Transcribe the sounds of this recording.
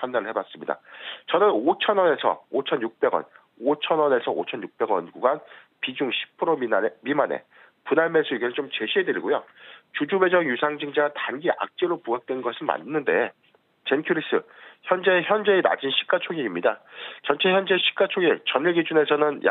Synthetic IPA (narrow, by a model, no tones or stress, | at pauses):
pʰandaɾɯɭhe̞bas͈ɯmɲida̰t͡ɕʌnɯnot͡ɕʰʌnwʌne̞sʰʌ̰ot͡ɕʰʌnjuk̚p͈e̞ɡwʌ̰n | ot͡ɕʰʌnwʌne̞sʰʌo̰t͡ɕʰʌnjuk̚p͈e̞ɡwʌnɡuɡan | pid͡ʑuŋɕʰi̥pʰɯɾommimanḛ | punaɭmes͈ʰuiɡinɯɭt͡ɕomt͡ɕe̞ɕʰiɦe̞dɯɾiɡojot͡ɕud͡ʑube̞d͡ʑʌŋjusʰaŋd͡ʑiŋd͡ʑaɡatanɡiʔa̰k̚t͡ɕ͈eɾopuɦak̚t͈we̞nɡʌsʰɯma̰nnːɯnde̞ | t͡ɕe̞nkʰjuɾis͈ɯçjʌnd͡ʑe̞çjʌnd͡ʑe̞ːna̰d͡ʑinɕʰi̥k͈at͡ɕʰoŋiŋimɲidat͡ɕʌnt͡ɕʰe̞çjʌnd͡ʑe̞ɕʰi̥k͈at͡ɕʰoŋiŋt͡ɕʌniɭɡid͡ʑune̞sʰʌnɯnja̰